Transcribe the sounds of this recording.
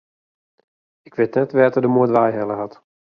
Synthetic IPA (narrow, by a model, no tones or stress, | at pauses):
ɪkʋɪtnɛtʋɛːtədəmuətʋajɦɛlˠəɦɑt